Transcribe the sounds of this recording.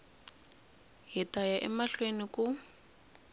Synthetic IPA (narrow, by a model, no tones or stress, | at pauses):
ɦitajaʔɛmaɬwenikʊ